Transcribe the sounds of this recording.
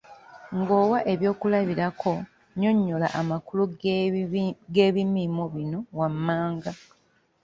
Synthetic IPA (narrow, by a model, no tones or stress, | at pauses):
ŋɡo̞ːwaʔe̞βjo̞ːkulaβiɾakʰo̞ | ɲo̞ɲːola̰ʔamakulu | ɡe̞ːβimimoβino̞wamːaːŋɡa